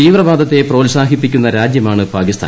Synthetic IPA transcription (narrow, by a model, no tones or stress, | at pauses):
iːʋrɐbaːd̪ɐt̪ːe̞proːlsaːɦipːikʲːunːɐɾaːd͡ʑjɐmaːɳɨpaːkist̪ʰa̰ːn